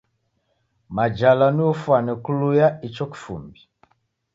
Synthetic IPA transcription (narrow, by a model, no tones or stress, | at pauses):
mad͡ʒalaniufwanɛkulujait͡ʃɔki̥fṵmbi